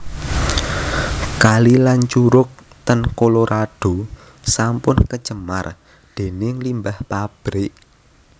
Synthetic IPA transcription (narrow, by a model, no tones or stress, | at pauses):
kalilant͡ʃuɾʊk̚t̪ənkoloɾʔaɖ̥o̤ | sampʊnkə̥ʒ̥əma̰r | d̪̥e̤nɪŋlimbahpab̥ɾɪʔ